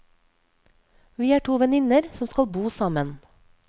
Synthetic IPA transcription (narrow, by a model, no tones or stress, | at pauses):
ʋiːæːʈʰuːʋɛnɪnəɾsɔmskɑlbuːsɑmən